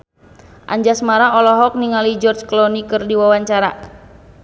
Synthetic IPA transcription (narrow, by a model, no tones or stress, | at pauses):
ʔa̰ɲd͡ʒasmaɾaɔlɔɦɔk̚niŋalid͡ʒɔrd͡ʒklɔnikɨrdiwawaɲt͡ʃaɾa